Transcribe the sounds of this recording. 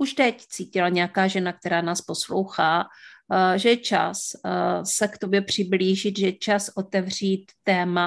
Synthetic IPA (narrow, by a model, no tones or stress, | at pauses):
ʔuʃt̪ɛct͡siːcɪlaɲɛakaːʒɛnak̚t̪ɛɾaːnaːspo̞slowxaː | ʒɛt͡ʃa̰sː | ɛkt̪o̞bjɛpr̝̥ɪbliːʒɪt̪ʒɛt͡ʃasʔo̞t̪ɛvr̝iːt̪ːɛːma